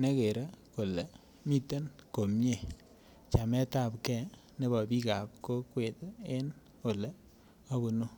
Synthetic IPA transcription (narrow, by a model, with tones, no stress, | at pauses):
ne˦ke˨ɾa˦ko˨lɛ˨ | mi˦te˦nko˨mɲe˦˨ | t͡ʃa˨mɛ˦ta˦˨pkɛ˦˨ | ne˦bɔ˨bi˦ka˨p̚ko˦kwe˨te˦n | ko˨le˨ | a˦bu˨no˦